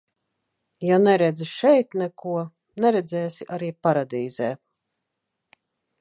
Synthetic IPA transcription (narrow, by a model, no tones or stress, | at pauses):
janɛɾɛd̪zʃɛjt̪nɛkuɔ | nɛɾɛd̪zɛːsiʔaɾiːpaɾad̪iːzɛː